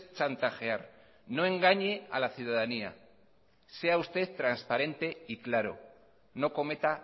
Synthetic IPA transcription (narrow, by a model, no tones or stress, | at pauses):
t͡ʃant̪axe̞aɾ | no̞e̞ŋɡaɲe̞a̰laθjuðaðania̰ | se̞aust̪e̞θt̪ɾanspaɾe̞nt̪e̞iklaɾo̞̰ | no̞ko̞me̞t̪a